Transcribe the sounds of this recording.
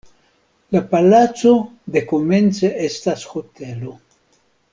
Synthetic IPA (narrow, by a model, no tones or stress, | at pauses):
lapalat͡sod̪ekoment͡seʔest̪asxot̪elo